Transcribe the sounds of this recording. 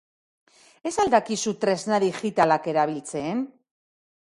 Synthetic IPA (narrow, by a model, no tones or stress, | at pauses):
e̞sald̪akisut̪ɾe̞znaðixit̪alake̞ɾaβ̞ilt͡se̞n